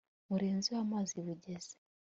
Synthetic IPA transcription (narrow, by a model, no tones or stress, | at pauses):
βuɾeːnziwamaːziβuɟez̥e̥